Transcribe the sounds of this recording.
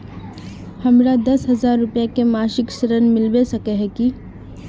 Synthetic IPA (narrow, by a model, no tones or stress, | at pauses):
hɐmɾad̪ɐsɦɐzaːɾːʊpjakemaːʃɪksəɾənmɪlʋesɐkeɦɛki